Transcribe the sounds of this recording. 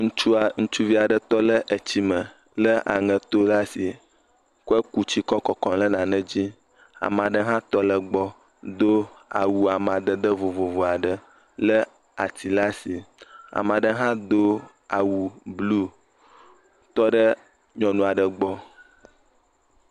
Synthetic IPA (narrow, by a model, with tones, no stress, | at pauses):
ŋũ˦t͡ʃu˦a˨ŋũ˦t͡ʃu˦vi˦a˨ɖə˨t̪ɔ˦lə˦ʔə˨t͡ɕi˦mə˨ | lə˦ʔa̰˨ŋə̃˨t̪o˦la˦si˨ | kɛ˦ku˦t͡ɕi˦kɔ˦kɔ˨kɔ̃˨lə˦nã˨nə̃˦d͡ʑi˦ | a̰˨m˨a˨ɖə˦ɦã˦t̪ɔ˦lə˦ɡ͡bɔ˦ | d̪o˦a̰˨wu˨a˨m˨ã˨d̪ə˦d̪ə˦vo˨vo˨vo˨a˨ɖə˦ | lə˦ | a̰˨t̪i˨la˦si˨a̰˨m˨a˨ɖə˦ɦã˦d̪o˦ | a˨wu˨blu˦ | t̪ɔ˦ɖə˦ | ɲɔ̃˨nũ˨a˨ɖə˨ɡ͡bɔ˦